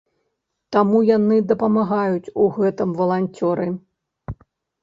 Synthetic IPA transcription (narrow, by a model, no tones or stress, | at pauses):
t̪amujanɨd̪ɐpɐmaɣajut͡sʲuɣɛt̪ɨmvɐlˠanʲt͡sʲɔɾɨ